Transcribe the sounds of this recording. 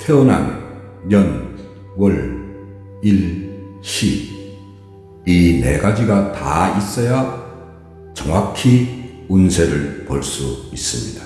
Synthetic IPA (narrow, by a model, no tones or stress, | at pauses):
tʰeona̰n | jʌn | wʌɭ | ilɕʰi | inḛɡad͡ʑiɡata̰is͈ʌja | t͡ɕʌŋakʰi | unsʰeɾɯɭpoɭs͈uis͈ɯmɲid̥ḁ